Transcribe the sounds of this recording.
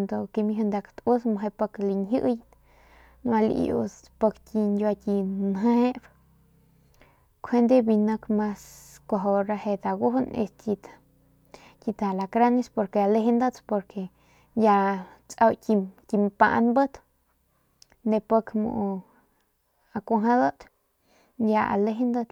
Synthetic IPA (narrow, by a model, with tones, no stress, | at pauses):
nd̪o˧ki˧mi˧ɦu˧nd̪a˧kt̪u˦sma˧ɦe˧pə˧kli˧nɦɨ˦ʔj̪ | n˧a˧lḭ˧jṵ˧t͡s | pə˧ktʲi˧ndʲa˧tʲi˧nɦe˦b | kʰe˦nd̪e˦bi˧nə˧kma˦skʷa˧ɦo˧ɾa˧he˧d̪a˧ɡu˦ɦnḛ˧stʲi˧t̪ | tʲi˧t̪a˨la˨kɾa˦ni˦spo˧ɾke˧a˧le˧ɦe˦nd̪ə˦t̪po˧ɾke˧ | nja˧t͡sʼa˧wtʲi˧t̪ʲi˧mpa̰˧ʔnbə˦t̪ | nd̪e˧pə˧kmṵ˧ʔ | a˧kʷa˧ɦã˧d̪ə˦t̪ | njʲa˧a̰˨le˧ɦe˦nd̪ə˧t̪